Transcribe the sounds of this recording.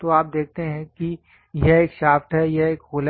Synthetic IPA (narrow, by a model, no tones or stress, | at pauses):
t̪oaːp̚d̪eːk̚ʰt̪eɦɛ̃ki | jeeːkʃaːfʈ̪ɦɛjeeːkɦoːl